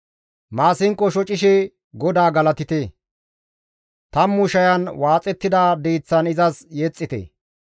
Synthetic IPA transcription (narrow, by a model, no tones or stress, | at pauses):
maːsɪŋkːɔʃɔt͡ʃʼɪʃɛ | ɡɔd̪aːɡɐlɐt̪ɪt̪e | t̪ɐmːʊʃɐjɐnwaːt͡sʼɛt̪ːɪd̪aːd̪iːt͡sːɐnɪzɐsjɛt͡sʼːɪt̪ɛ̰ː